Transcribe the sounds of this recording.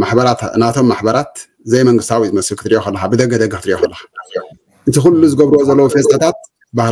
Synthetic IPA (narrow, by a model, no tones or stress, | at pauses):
maħbɐɾat̪nat̪ʰo̞mːaħbɐɾat̪ | zɐjmɐŋɡɨst̪ʰawizɨmɐsɨlkɨ̥t̪ɨɾijokɐlːɐxabɨd̪ɐɡɐd̪ɐɡɐkɨt̪ɨɾijokɐlːɐxḁ | ʔɨt̪ʰixulːuzɨɡɐβɾuwozɐlːɐwufest̪ʰʼat̪ʰat̪̚ | bah